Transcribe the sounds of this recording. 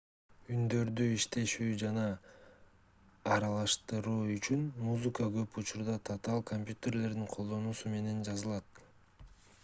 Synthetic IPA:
ynd̪ø̞ɾd̪yiʃt̪e̞ʃyːd͡ʒɑnɑ | ɾɑlˠɑʃt̪ɯɾuːyt͡ʃynmuzɨkəɡø̞put͡ʃuɾd̪ɑt̪ʰat̪ɑlˠkʰomʲpʲjut̪e̞ɾle̞ɾd̪iŋqʰo̞lˠd̪o̞nuːsume̞ne̞nd͡ʒɑzɯlˠɑt̪

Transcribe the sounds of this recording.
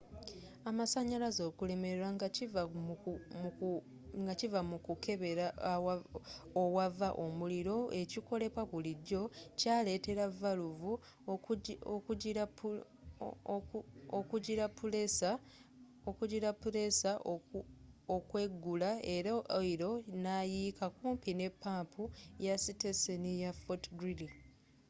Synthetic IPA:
amasaɲalazo̞ːkule̞me̞ɾeɾaŋɡaciva | ŋɡacivamukukʰeβeɾa | owavaʔo̞muliɾo̞e̞ciko̞le̞pwaβuliɟːo̞cale̞ːte̞ɾavaluvu | ok | okuɟiɾapːulesa | okuɟiɾapːuɾe̞sa | okwe̞ɡːulaeɾaiɾo̞najiːkakuːmpine̞pːaːmpʰujasitesenijafotɡɾili

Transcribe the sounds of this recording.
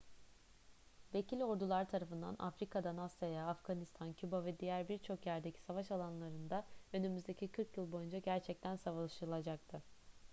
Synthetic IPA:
ve̞cʰilʲo̞ɾd̪ulˠaɾt̪ʰaɾafɯnd̪a̰nʔa̰fɾikʰad̪anasajaːfɡanist̪ʰancʰybavɛd̪ijæɾbiɾt͡ʃʰo̞kjæɾd̪ecʰi̥savaʃalˠanlˠaɾɯnd̪aø̞nymyzd̪ecʰikʰɯɾkjɯlˠbo̞jund͡ʒaɟæɾt͡ʃʰɛc̚t̪ʰænsavaʃɯɾɯlˠad͡ʒak̚t̪ʰɯ

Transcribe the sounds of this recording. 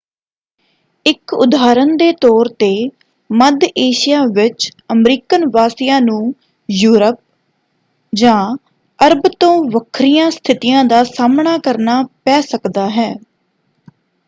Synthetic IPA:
ɪkʊ̰d̪aːɾənd̪eːt̪ɔːɾt̪eː | məd̪eːʃɪjaːʋɪt͡ʃəmɾiːkənʋaːsɪjãːnũː | juːɾəp̚ | d͡ʒãː | əɾbt̪õːʋəkʰɾɪjãːst̪ʰɪt̪ɪjãːd̪aːsaːmɳaːkəɾnaːpɛːsəkd̪aːɦɛː

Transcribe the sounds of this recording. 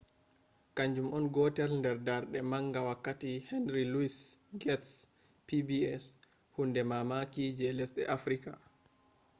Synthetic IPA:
kaɲd͡ʒumɔnɡɔtɛlndɛɾdaɾɗɛmaŋɡawakːatihɛnɾiluisɡɛts | pibiɛs | hundɛmamakiːd͡ʒɛlɛsɗɛ̰ʔafɾika̰

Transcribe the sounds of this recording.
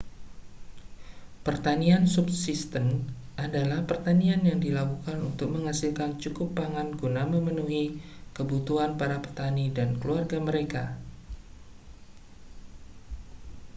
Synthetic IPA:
pərt̪aniansubsist̪ənʔadalahpərt̪anianjaŋdilakukanunt̪ʊk̚məŋasilkant͡ʃukʊpːaŋanɡunaməmənuɦikəbut̪uanpaɾapərt̪anidankəluarɡaməɾeka

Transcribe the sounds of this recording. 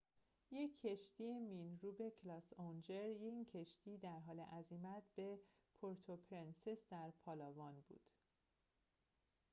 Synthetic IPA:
je̞cʰːe̞ʃt̪iːjemiːnɾuːbe̞cʰlɒːsond͡ʒe̞ɾjecʰe̞ʃt̪ʰiːd̪æɾɦɒːle̞ʔæzimæt̪̚b̥e̞ | pʰoɾt̪ʰopʰɾensesd̪æɾpʰɒːlɒːvɒːnbṵːd̪̥

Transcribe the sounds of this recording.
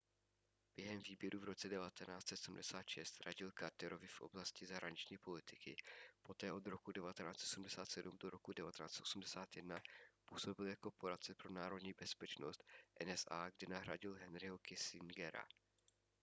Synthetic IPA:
b̥jɛɦɛmviːbjɛɾʔuvɾo̞t͡sɛdɛvat̪ɛnaːst̪sɛt̪sm̩dɛsaːt̪ʃɛst̪ɾaɟɪlkaɾt̪ɛɾo̞vɪfʔo̞̰blascɪzaɦɾaɲɪt͡ʃɲiːpo̞lɪt̪ɪkɪpo̞t̪ɛːʔo̞d̪ɾo̞kudɛvat̪ɛnaːt͡sɛt̪osum̩dɛsaːt̪sɛdumdoɾo̞kudɛvat̪ɛnaːt͡sɛt̪ʔosumdɛsaːt̪jɛdnapuːso̞bɪljakopoɾat͡sɛpɾonaːɾo̞dɲiːbɛspɛt͡ʃnost̪ʔɛnɛsʔa̰ːɡdɪnaɦɾa̰ɟɪlɦɛnɾɪɦokɪsɪŋɡɛɾa̰

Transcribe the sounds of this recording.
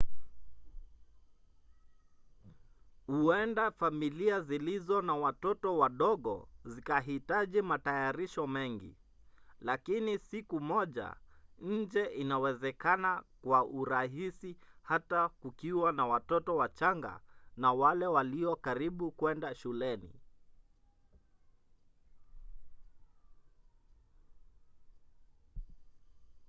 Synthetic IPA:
huɛndafamiliazilizɔnawatɔtɔwaɗɔɠɔ̰zikaɦitaʄimatajaɾiʃɔmɛŋɡḭ | lakinisikumɔʄa̰ɲ̩d͡ʒɛʔinawɛzɛkanakwaʔuɾaɦisihatakukiwanawatɔtɔwat͡ʃaŋɡa̰nawalɛwaliɔkaɾiɓukwɛndaʃulɛnḭ

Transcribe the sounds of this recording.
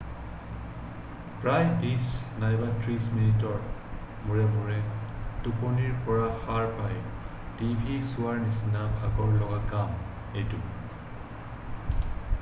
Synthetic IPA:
pɹajbisnajbatɹisminitɔɹ | muɹɛmuɹɛtuponiɹpɔɹaxaɹpaj | tibʱisʊaɹnisinabʱaɡɔɹlɔɡakam | ejtu

